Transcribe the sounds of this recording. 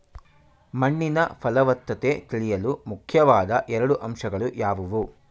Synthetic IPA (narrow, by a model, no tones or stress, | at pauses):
mɐɳːinɐpʰɐlɐʋɐt̪ːɐt̪et̪iɭijɐlumukʰjɐʋaːd̪ɐʔɛɾɐɽuʔɐmʂɐɡɐɭujaːʋuʋu